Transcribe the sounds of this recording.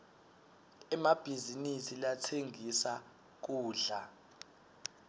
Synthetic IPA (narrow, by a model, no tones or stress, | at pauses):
ɛmab̥ʱizinisilatʰeŋʱisa | k̬uːɮa